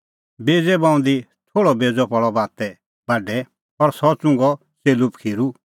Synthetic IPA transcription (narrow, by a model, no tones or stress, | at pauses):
beːd͡zɛbãːʊ̃nd̪it̪ʰoːɽɔbeːd͡zɔpɔɭɔbaːt̪ɛ | baɖɛ | ɔɾsɔt͡sʊ̃ŋɡɔ | seːlupkʰiːɾu